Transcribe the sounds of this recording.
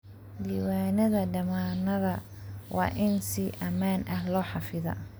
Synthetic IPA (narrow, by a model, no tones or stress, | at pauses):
liːwaːnɐðɐɖɐmaːnɐðɐ | wɑ̰ːʔɪnsɪʔɐmaːnʔɐhlɔːħɑfɪðɐ̰